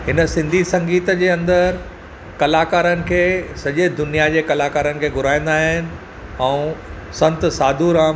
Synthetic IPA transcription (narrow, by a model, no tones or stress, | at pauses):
ɦɪnə̆sɪ̃nd̪ʱisɐ̃ŋɡiːt̪d͡ʑeːɐ̃nd̪əɾɾ | kɐlaːkaːɾənɪ̆kʰeːsɐʄed̪ʊnijad͡ʑeːkɐlaːkaːɾənɪ̆kʰeːɡʱʊɾaːẽn̆d̪aːɦɪnɪ̆ | ɛ̃ũsɐ̃nt̪saːd̪ʱuːɾãː